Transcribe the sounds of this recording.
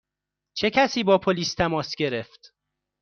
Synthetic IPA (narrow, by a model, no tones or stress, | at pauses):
t͡ʃʰe̞cʰæsiːbɒːpʰoliːst̪ʰæmɒːsɟe̞ɾeft̪